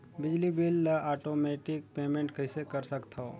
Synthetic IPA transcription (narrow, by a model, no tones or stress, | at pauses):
bɪd͡ʒlibɪlːaːʈoːmɛːʈɪk̚peːmẽɳʈkɐisekɐɾsɐkt̪ʰo